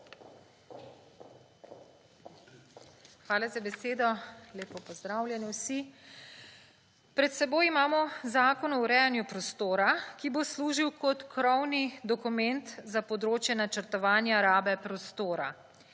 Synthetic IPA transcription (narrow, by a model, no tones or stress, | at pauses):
xʋaːlazabɛseːd̪ɔleːpɔpɔzd̪ɾaːwljɛniwsi | pɾɛt̪sɛboːjimaːmɔzaːkɔnɔwɾɛjanjupɾɔst̪oːɾakibosluːʒiwkɔt̪kɾɔwnid̪ɔkumɛnt̪zapɔd̪ɾoːt͡ʃjɛnat͡ʃəɾt̪ɔʋaːnjaɾaːbɛpɾɔst̪oːɾa̰